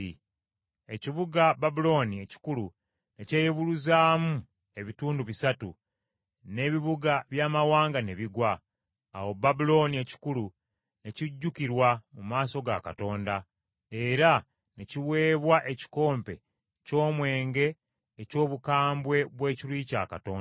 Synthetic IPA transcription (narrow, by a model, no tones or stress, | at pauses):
e̞ciβuɡababulo̞nie̞ci̥kulu | neceːjeβuluzaːmu | e̞βituːnduβisatu | ne̞ːβiβuɡaβjaːmawaːŋɡaneβiɡwa̰ː | wo̞babulo̞nie̞ci̥kulu | ne̞ciɟːukiɾwamumaːso̞ɡa̰ka̰to̞ːnda | e̞ɾa | neciwe̞ːβwaʔe̞ci̥ko̞ːmpe̞̰ | co̞ːmwe̞ːŋɡe̞ː | co̞ːβukaːmbwe̞βwe̞ːcilwica̰ːka̰toːn